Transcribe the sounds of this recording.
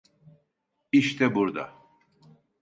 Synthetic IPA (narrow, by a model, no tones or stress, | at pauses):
iʃt̪ʰɛbuɾd̪a̰